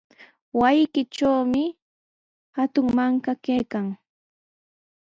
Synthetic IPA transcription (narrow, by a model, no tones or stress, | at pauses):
wajkɪʈ͡ʂawmɪ | hat̪ʊŋmaŋkakejkaŋ